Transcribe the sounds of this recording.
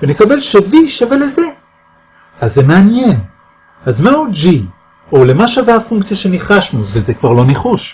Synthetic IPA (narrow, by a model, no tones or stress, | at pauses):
venekabe̞lʃeviʃaveleze | azːemeanjen | azmaud͡ʒi | olemaʃaveafuŋkt͡sjaʃe̞niχaʃnuvezekvaʁlo̞neχuʃ